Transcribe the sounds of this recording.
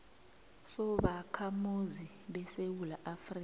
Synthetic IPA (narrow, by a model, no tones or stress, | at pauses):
sɔɓakʰamuziɓɛsewulaʔafriːk